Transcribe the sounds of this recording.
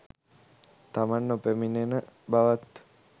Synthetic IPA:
t̪amanːopeminenəbaʋat̪

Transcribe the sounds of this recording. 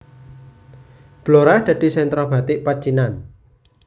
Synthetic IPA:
b̥loɾad̪̥a̤d̪̥i̤sɛnt̪ɾɔb̥ä̤t̪ɪʔpḁt͡ʃinan

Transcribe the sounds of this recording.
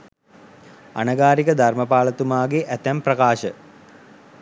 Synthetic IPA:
a̰nɐɡaːɾikəd̪ʱarməpaːlɐt̪umaːɡeʔæt̪æmprɐkaːʃə

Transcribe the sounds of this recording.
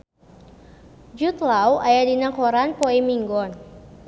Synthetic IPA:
d͡ʒut̪lawajadinakɔɾanpɔimiŋɡɔn

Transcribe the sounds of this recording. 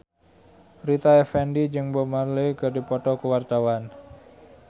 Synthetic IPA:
rit̪aɛfɛndid͡ʒɨŋbɔmarlekədipɔt̪ɔkəwart̪awan

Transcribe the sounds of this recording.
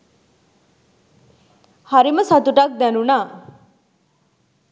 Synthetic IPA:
hʌɾimʌsʌt̪uʈʌk̚d̪enuna

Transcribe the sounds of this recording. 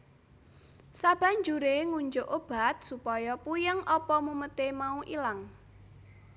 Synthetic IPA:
sab̥a̤ɲd͡ʒuɾeŋuɲd͡ʒʊʔob̥a̤t̪̚supɔjɔpujəŋʔɔpɔmumət̪emauʔilaŋ

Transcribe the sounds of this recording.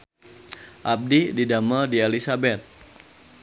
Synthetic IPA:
ʔab̚dididamədielisabɛt̪̚

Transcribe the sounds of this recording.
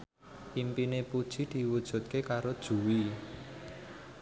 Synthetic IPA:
ʔimpinepud̥ʒ̥i̤d̪̥i̤wud̥ʒ̥ṳt̪̚kekaɾod̥ʒ̥ṳwi

